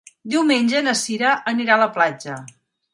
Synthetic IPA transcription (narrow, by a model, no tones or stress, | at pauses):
d̪iwmenʲd͡ʒənəsiɾəʔəniɾaləplad͡ʒə